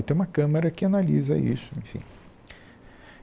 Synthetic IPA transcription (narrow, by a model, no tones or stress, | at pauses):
t̪ẽũmɐkɐ̃mɐɾɐkɪanalizɐ̰ʔḭsʊḛ̃fḭ̃